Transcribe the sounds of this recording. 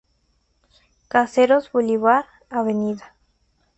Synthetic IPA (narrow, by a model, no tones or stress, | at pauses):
kaseɾozboliβaɾ | aβeniða